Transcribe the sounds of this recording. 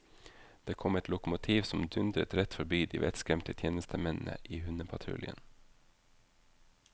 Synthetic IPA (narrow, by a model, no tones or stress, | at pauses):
d̪̥eːkʰɔmɛt̪ʰlʊkʊmʊt̪ʰiːʋsɔmd̪ʉnd̪ɾət̪ɾɛt̪fɔɾbyːd̪ḭːʋɛ̰t̪skɾɛmt̪ət̪ʰjeːnəst̪əmɛnn̩ə̰ʔiːhʉnəpʰɑt̪ʰɾʉ̰ljə̰n